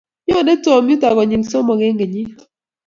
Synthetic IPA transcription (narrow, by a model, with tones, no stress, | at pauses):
ɲɔ˦˨ne˦tɔ˨m˦u˦ta˨ɣɔ˨ɲi˨nso˦mɔ˨ɡe˦ŋɡe˨ɲi˦